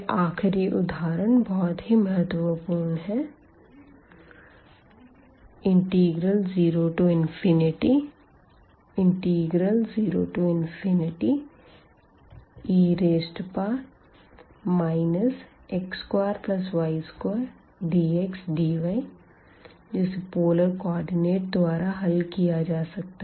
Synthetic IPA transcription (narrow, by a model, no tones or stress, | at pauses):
ʔaːkʰɪɾiʔʊd̪ʱaːɾənbɔːt̪ɦiməɦət̪ʋəpuːɾnɦɛ | ɪ̃ɳʈiːɡɾəlziːɾoːʈuɪ̃nfʰɪnɪʈi | ɪ̃ɳʈiːɡɾəlziːɾo̰ːʈuɪnpʰɪnɪʈi | iːɾeːsʈpa | maːɪnəs | ekskwaːɾplɐsʋaːɪskwaːɾ | ɖiːeksɖiːʋaj | d͡ʒɪspoːləɾkɔːɾɖɪneːʈ̚d̪waːɾaɦɐlkijad͡ʒaːsɐk̚t̪aɛ